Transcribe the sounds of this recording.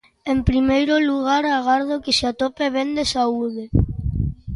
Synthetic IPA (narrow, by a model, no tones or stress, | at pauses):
empɾimejɾʊluɣ̞aɾaɣ̞aɾðokɪseat̪ɔpeβend̪esauð̞e